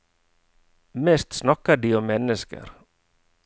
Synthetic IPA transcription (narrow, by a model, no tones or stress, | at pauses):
mɛst̪snɑkədiɔmːɛnːəskə̰ɾ